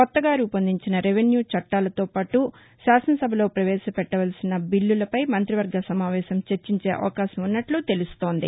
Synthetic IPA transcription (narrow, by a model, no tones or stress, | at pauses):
kɔt̪ːɐɡaːɾupɐnd̪iɲt͡ʃinɐɾeʋenjuːt͡ʃɐʈːaːlɐt̪o̞ːpaːʈu | ʃaːsɐnɐsɐbʱɐlo̞ːpɾɐʋɛːʃɐpɛʈːɐʋɐlsinɐbilːulɐpɐjmɐnt̪ɾiʋɐɾɡɐsɐmaːʋɛːʃɐmt͡ʃe̞ɾt͡ʃiɲt͡ʃe̞ːʔɐ̰ʋɐkaːʃɐmunːɐʈlut̪e̞lust̪o̞ːnd̪ḭ